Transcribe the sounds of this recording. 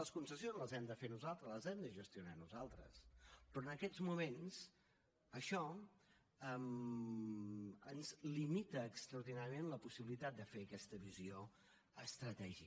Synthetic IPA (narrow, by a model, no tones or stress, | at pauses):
ləskunsəsjonzləzɛmd̪əfenuzalˠt̪ɾəzləzɛmd̪əʒəst̪iunanuzalˠt̪ɾə̰spɾɔənəkɛd͡zmumens | əʃɔ | əm | ənzlimit̪əːkst̪ɾəuɾð̞inaɾjəmenləpusiβilit̪at̪̚d̪əfeəkɛst̪əβizio | əst̪ɾət̪ɛʒi